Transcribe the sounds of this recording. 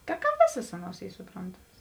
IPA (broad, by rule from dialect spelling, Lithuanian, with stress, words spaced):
tɐ kɐ ˈʋʲeːsɐs ˈɑːˌnuɔs ˈiː sʊˈproːntɐmɐs